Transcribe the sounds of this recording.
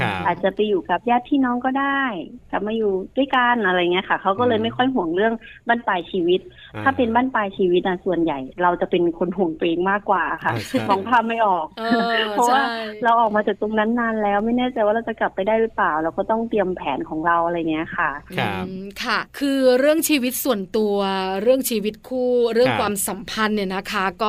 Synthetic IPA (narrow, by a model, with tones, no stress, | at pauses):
ʔaː˨˩t̪̚t͡ɕa˨˩pa˧juː˨˩ka˨˩p̚jaː˥˩t̪ʰːiː˥˩nɔː˦˥ŋkɔː˥˩daː˥˩jka˨˩p̚maː˧juː˨˩du˥˩əjka˧nʔa˧ɾa˧jŋːi˦˥ɐ˧kʰa˥˩kʰa˦˥wkɔː˥˩lɤː˧jma˥˩jkʰɔ˥˩jɦu˨˩˦əŋɾɯ˥˩əŋbaː˥˩˨npaː˧˩jt͡ɕʰiː˧wi˦˥t̪̚ʰːaː˥˩pe˧nbaː˥˩npaː˧jt͡ɕʰiː˧wi˦˥na˧˩su˨˩ənja˨˩jɾa˧wt͡ɕa˨˩pe˧nkʰo˧nɦu˨˩əŋt̪wʔeː˧ŋmaː˥˩kːwaː˨˩a˩xʰa˥˩mɔː˧˦ŋpʰaː˥˩mːa˥˩jʔɔː˨˩k̚pʰɔ˦˥waː˥˩ɾa˧wʔɔː˨˩k̚maː˧t͡ɕaː˨˩k̚t̪o˧ŋna˦˥nːaː˧˥nlɛː˦˥wma˥˩jnɛː˥˩t͡ɕa˨˧jwaː˥˩ɾa˧wt͡ɕa˨˩kla˨˩pːa˧jdaː˥˩jlɯ˦˥plaː˨˩wlɛː˧wkɔː˥˩t̪ɔ˥˩ŋt̪i˧əmpʰɛː˩˦nkʰɔː˩˦ŋɾa˧wʔa˧ɾa˧jŋi˦ɐ˧kʰa˥˩ʔkʰa˥˩kʰɯː˧ɾɯ˥˩əŋt͡ɕʰiː˧wi˦˥t̪̚su˨˩ənt̪u˧ɐɾɯ˥˩əŋt͡ɕʰiː˧wi˦˥t̪̚kʰuː˥˩ɾɯ˥˩əŋkʰwaː˧msa˩˦mpʰa˧nːiː˧˨˩na˦˥kʰa˦˥kɔː˥˩